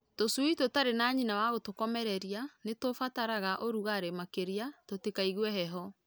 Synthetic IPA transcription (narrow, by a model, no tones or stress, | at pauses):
tosuitotaɾenaːɲinawaɣotokɔmɛɾɛɾianetofataɾaɣaʔoɾuɣaɾemakeɾiatotekaiɣwɛɦɛɦɔ